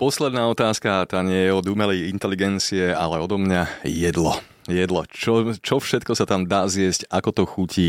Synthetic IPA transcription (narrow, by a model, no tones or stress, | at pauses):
pɔslɛd̪naːɔt̪aːskat̪aːɲɪɛjɛɔd̪umɛlɛjint̪ɛliɡɛnt͡siɛa̰lɛɔd̪ɔmɲajɛd̪lɔ | jɛd̪lɔt͡ʃɔt͡ʃɔfʃɛt̪kɔsat̪amd̪aːzɪɛscakɔt̪ɔxucʰiː